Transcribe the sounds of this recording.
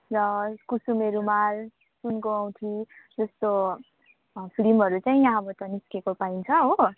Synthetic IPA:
rʌkusumeɾumal | sunkoaw̃t̪ʰid͡zʌst̪o | pʰɾimɦʌɾut͡sajĩjãʌbʌt̪ʌniskekopaint͡sʰʌɦo

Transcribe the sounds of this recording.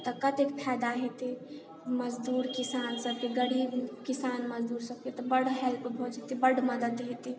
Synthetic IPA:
t̪ɔkət̪ekpʰɛd̪aɦet̪i | məd͡ʒd̪uːɾkisansəb̚keɡəɽibkisanməd͡ʒd̪uːɾsəb̚ket̪ɔbəɽɦɛlpobʱod͡ʒet̪ibəɽməd̪əd̪ɦet̪i

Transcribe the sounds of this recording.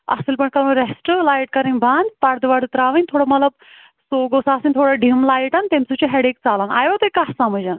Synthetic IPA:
a̰selpəɳkaɾũɾesʈəlajʈkəɾĩnbʱãnd̪paɽd̪ʋaɽut̪ɾaʋənʲt̪ʰoɽaməlab̚ | soɡosaːsinʲt̪ʰoɽaɖʱimlajʈant̪emsut͡ɕiɦɛɽek̚t͡salana̰jʋat̪əjkasãm̤əd͡ʑan

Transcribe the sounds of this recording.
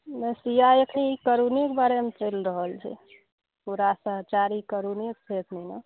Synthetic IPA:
mẽsijajəkʰnikəɾunikbaɾemet͡ʃəɪlɾəɦəlt͡ʃʰɛ̰ | puɾasəɦt͡ʃaɾikəɾuniək̚sʰet̪ʰnɛnə

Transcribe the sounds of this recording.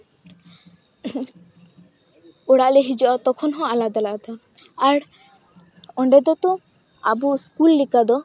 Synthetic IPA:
ɔɽaʔleɦid͡ʒɔʔɔt̪ɔkʰɔnɦɔ̃alad̪alaʔd̪ɔ | aɾ | ɔɳɖɛd̪ɔt̪ɔ | a̰buskulːikad̪ɔ

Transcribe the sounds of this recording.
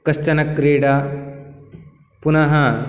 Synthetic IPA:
kɐst͡ʃɐnɐkːɾiːɽa | punɐɦɐ

